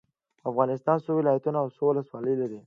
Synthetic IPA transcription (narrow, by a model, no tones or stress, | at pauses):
afɣɑnɪst̪ɑnsowɪlɑjat̪unaːwsowləswɑləjlaɾi